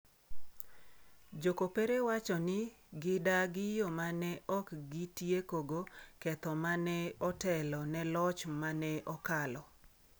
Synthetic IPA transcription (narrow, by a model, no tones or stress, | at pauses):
d͡ʒokopeɾewat͡ʃɔnɪ | ɡɪdaɡɪjɔmanɛʔɔkɡɪtjekoɡokɛt̪ɔmanɛɔtɛlɔnɛlɔt͡ʃmanɛʔɔkalɔ